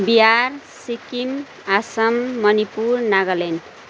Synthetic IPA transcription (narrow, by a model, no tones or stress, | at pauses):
biarsikim | asʌmːʌnipurnaɡʌlen